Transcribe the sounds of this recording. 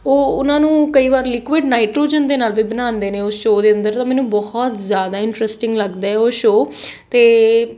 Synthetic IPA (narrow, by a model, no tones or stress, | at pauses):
oːʊnãːnũːkəiːʋaːɾlɪkʋɪɖnaːɪʈɾoːd͡ʒənd̪eːnaːlbiːbənãːnd̪eːneːʊsʃoːd̪eːənd̪əɾt̪ãːmɛ̃ːnũːbɔːhɔt̪zjaːd̪aːɪɳʈɾɛsʈɪŋɡləɡd̪aːɛːoːʃoː | t̪eː